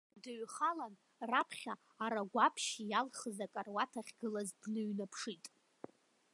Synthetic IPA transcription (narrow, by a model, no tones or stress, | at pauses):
dɨɥχalan | rapʰχʲaː | ɾaɡʷapʰʃijalχəzakʼarwatʰaχʲɡɨlazdnɨɥnapʰʂitʼ